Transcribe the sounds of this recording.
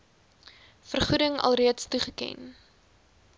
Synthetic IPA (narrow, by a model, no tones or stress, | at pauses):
fərχudəŋɐ̰lˠriətstuχəkɛ̰n